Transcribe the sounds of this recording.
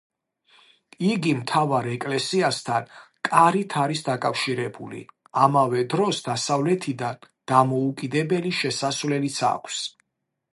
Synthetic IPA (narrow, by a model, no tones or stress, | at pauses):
iɡimt̪ʰavaɾɛkʼlɛsiast̪ʰan | kʼaɾit̪ʰaɾisd̪akʼafʃiɾɛbulḭ | amavɛd̪ɾɔsd̪asavlɛt̪ʰid̪an | d̪̥amɔukʼid̪ɛbɛliʃɛsasvlɛlit̪sʰa̰kʷʰs